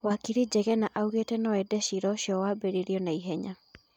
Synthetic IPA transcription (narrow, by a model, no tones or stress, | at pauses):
wakiɾid͡ʒɛɣɛnaʔauɣetɛnɔɛdɛʃiɾɔʃjɔwabeɾiɾjɔnaiɦɛɲa